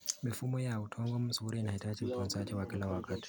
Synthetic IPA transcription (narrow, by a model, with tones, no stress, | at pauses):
mi˨fu˦mɔ˦jautʰɔŋɡɔ˦m̩˦su˨uɾi˦na˨i˨tʰat͡ʃʼi˦m̩˨pʰɔ˨nt͡sa˦t͡ʃʼɛwakɛ˦lawakʼatʰi̥